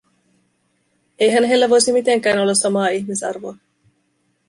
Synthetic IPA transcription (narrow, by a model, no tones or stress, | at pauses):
e̞jɦænɦe̞lːæʋo̞jsimit̪eŋk̟æːno̞lːɑsːɑmɑːiçmisɑ̰rʋoː